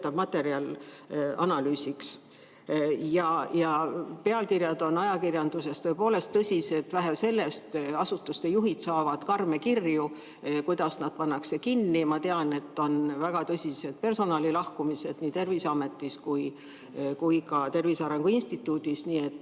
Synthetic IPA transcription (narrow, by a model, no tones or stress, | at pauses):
t̪ːɑb̥mɑt̪ːe̞ɾiɑl | ɑ̰nɑlyːsiks | jɑjɑpe̞ɑlkirjɑd̪̥o̞nɑjɑkirjɑnd̪̥use̞st̪ɤepoːle̞st̪t̪ɤsʲise̞t̪væɦæse̞lːe̞st̪ɑsut̪ːˑust̪ejuɦit̪sɑːvɑd̪̥kɑrme̞kirju | kujd̪̥ɑsnɑd̪̥̚pɑnːɑkse̞kinːimɑt̪e̞ɑne̞t̪ːo̞nvæɡ̥ɑt̪ɤsʲise̞d̪̥pe̞rso̞nɑːlilɑhkumise̞d̪̥niːt̪e̞rvisɑme̞t̪ːˑiskuj | kujkɑt̪e̞rvisɑɾe̞ŋɡ̥uinst̪it̪ːˑuːd̪isniːe̞t̪ːˑ